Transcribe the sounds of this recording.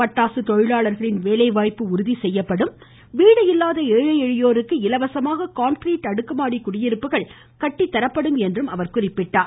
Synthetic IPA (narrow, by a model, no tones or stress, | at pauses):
pɐʈːaːsɯt̪ɔɻɪɭaːɭɐɾɣɐɭɪnʋeːlɐɪʋaːjpːɯʊɾɯðisɛjːɐpːɐɽɯm | ʋiːɽɐjɪlːaːðɐeːɻɐjɛɻɪjoːɾɯkːɯɪlɐʋɐsɐmaːɣɐkaːnkɾiːʈːɐɽɯkːɐmaːɽikʊɽɪjɪɾɯpːɯɣɐɭ | kɐʈːit̪ːɐɾɐpːɐɽɯmɛndrɯmɐʋɐɾkʊrɪpːɪʈːaː